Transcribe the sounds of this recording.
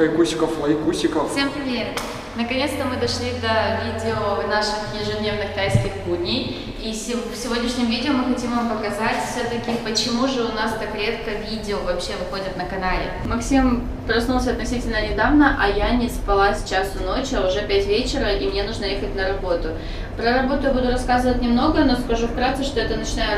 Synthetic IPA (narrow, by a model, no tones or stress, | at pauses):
ɐikusʲɪkəfmɐixkusʲɪkəffsʲempɾʲɪmʲeɾ | nəkɐnʲe̞t̪st̪əmɨd̪ɐʂlʲid̪əvʲidʲɪonaʂɨxjɪɪʐɨd̪ʲnʲevnɨxt̪ʲajsʲtʲɪxbudʲnʲɪj | isʲɪfsʲɪvodʲnʲɪʂnʲɪmvʲidʲɪomɨxɐtʲimvampəkɐzatʲfsʲot̪əkʲɪpət͡ɕɪmuʐɨʊnast̪akɾʲe̞t̪kəvʲidʲɪovɐpɕe̞vɨxo̞dʲət̪nəkɐnalʲɪ̰mɐksʲim | pɾɐsnulˠs̬ʲəɐt̪nɐsʲitʲɪlʲnənʲɪd̪avnəʔɐjanʲɪspɐlˠasʲt͡ɕasʊno̞t͡ɕɐʊʐɛpʲætʲvʲet͡ɕɪɾəʔimnʲe̞nuʐnəjexət̚ʲnəɾɐbo̞t̪ʊ | pɾəɾɐbo̞t̪ʊjabud̪ʊɾɐskazɨvət̚ʲnʲɪmno̞ɡəno̞skɐʐufkɾat̪sɨʂt̪o̞ɛt̪ənət͡ɕɪnajʊ